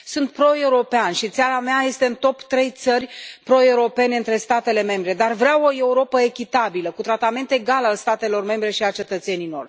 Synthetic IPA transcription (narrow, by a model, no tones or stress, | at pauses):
sunt̪̚pɾo̞e̞uɾo̞peanʃit̪saɾameaje̞st̪e̞ɨnt̪o̞pt̪ɾe̞jt̪sərʲpɾo̞e̞uɾo̞pe̞ne̞ɨnt̪ɾe̞st̪at̪e̞le̞me̞mbɾe̞d̪arvɾawo̞e̞uɾo̞pəe̞kʲit̪abiləkut̪ɾat̪ame̞nt̪e̞ɡalalst̪at̪e̞lo̞rme̞mbɾe̞ʃialt͡ʃe̞t̪ət̪se̞nijlo̞̰rʲ